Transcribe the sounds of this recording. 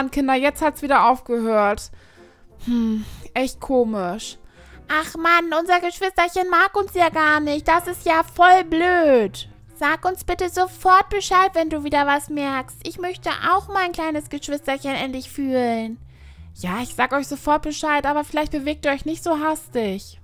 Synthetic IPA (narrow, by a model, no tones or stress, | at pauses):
nkʰɪndɐjɛt͡sthatsv̥iːdɐʔaʊfɡ̥əhøːɐt | hm̩ʔɛçt̚kʰoːmɪʃ | ʔaχmanʔʊnzɐɡəʃv̥ɪstɐçənmaːkʊnsjaːɡaːɐnɪçt̚d̥asɪstjaːfɔlbløːt | z̥aːkʔʊnsb̥ɪtəzofɔɐt̚b̥əʃaɪtv̥ɛnduːviːdɐvasmɛɐkstʔɪçmœçtə̰ʔa̰ʊxmaɪnkl̥aɪnəsɡ̥əʃv̥ɪstɐçənʔɛntlɪçfyːlən | jaːɪçz̥aːɡəɔʏçz̥ofɔɐt̚b̥əʃaɪtʔaːbɐfɪlaɪçt̚b̥əveːk̚tuːɔʏçnɪçtz̥oːɦastɪç